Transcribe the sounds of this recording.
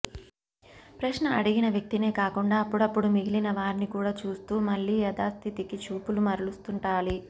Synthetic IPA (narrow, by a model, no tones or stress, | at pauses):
pɾɐʃnɐɐɽiɡinɐʋjɐk̚t̪ine̞ːkaːkuɳɖaːɐpːuɽɐpːuɽumiɡilinɐʋaːɾnikuːɽaːt͡ʃuːst̪uːmɐɭːiːɛd̪aːst̪ʰit̪ikit͡ʃuːpulumɐɾulust̪uɳʈaːli